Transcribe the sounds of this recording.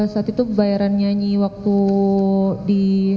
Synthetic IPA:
asat̪it̪ubajaɾanɲaɲiwak̚t̪u | di

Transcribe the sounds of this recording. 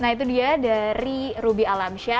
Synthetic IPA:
nait̪udiadaɾiɾubialamʃa

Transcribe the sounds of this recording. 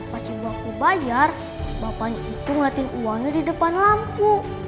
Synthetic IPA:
pasibapubajar | bapaɲait̪uŋlat̪ɪnuwaŋɲadidəpanlampu

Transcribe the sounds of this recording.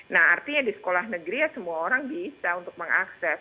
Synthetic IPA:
nahart̪iɲadisə̥kolahnəɡɾijasəmuaoɾaŋbisaunt̪ʊk̚məŋa̰ksɛs

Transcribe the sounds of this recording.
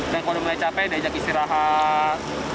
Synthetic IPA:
dankodoməat͡ʃapɛjdad͡ʒakisiɾaɦa

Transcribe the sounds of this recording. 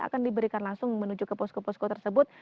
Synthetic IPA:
a̰kandibəɾikanlaŋsʊŋmənud͡ʒʊkəpɔskəpɔskot̪ərsəbʊt̪̚

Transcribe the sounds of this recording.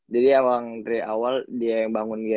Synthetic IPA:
d͡ʒadiawaŋt̪ɾiawaldiajaŋbaŋʊnɡia

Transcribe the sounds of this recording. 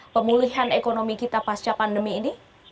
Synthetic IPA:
pəmuliɦanekonomikit̪apast͡ʃapandəmiːni

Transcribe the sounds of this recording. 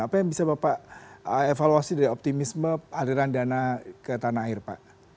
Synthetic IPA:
apajaŋbisabapaʔəefaluasidaɾiɔp̚t̪imisməaliɾandianakət̪anaːɪrpa̰ʔ

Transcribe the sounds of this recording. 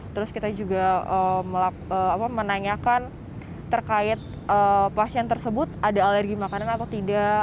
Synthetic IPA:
t̪əɾʊskit̪ad͡ʒuɡaəməla | əapamənaɲakanː | ərkaɪt̪̚ | ʔəpasiɛnt̪ərsəbʊt̪̚adaːlərɡimakananat̪awt̪ida

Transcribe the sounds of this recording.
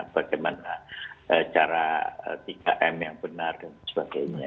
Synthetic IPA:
b̥aɡajmanaʔət͡ʃaɾaə̰t̪ika̰ʔɛmjaŋbənardansə̥baɡajɲa

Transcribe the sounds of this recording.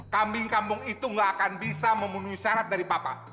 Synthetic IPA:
kambɪŋkampʊŋit̪uŋɡaʔakanbisaməmbunuisaɾat̪̚daɾipapa̰

